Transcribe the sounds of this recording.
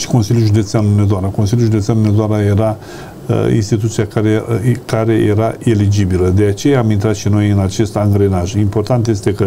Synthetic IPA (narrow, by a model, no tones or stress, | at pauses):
ʃi̥ko̞nsilʲjulʒud̪e̞t̪seanunezoaɾako̞nsilʲjuʒud̪e̞t̪seanumed̪oaɾaje̞ɾa̰ | ḭnst̪it̪ut̪sijakaɾekaɾe̞jeɾae̞lid͡ʒibiləd̪e̞at͡ʃe̞jaːmint̪ɾat̪ʃino̞jɨnat͡ʃe̞st̪aŋɡɾe̞naʒimpo̞rt̪ant̪je̞s̬t̪e̞kə